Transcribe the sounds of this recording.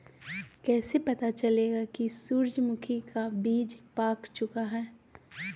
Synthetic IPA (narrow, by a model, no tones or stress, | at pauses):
kɛːsepɐt̪at͡ʃɐleːɡakisuːɾd͡ʒmʊkʰikabiːd͡ʒpaːkt͡ʃʊkaɦɛː